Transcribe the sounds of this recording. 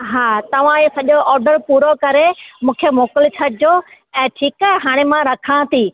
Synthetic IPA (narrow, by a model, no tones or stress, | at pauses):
ɦaːt̪ɐʋ̤ãsɐʄoʔɔːɾɖəɾpuːɾokɐɾemũːkʰemoːkəlɪt͡ɕʰɐɽɪd͡ʑoː | ɛ̃ːʈʰiːkɛɦɛɦaːɽ̃emãɾɐkʰãːt̪ʰiː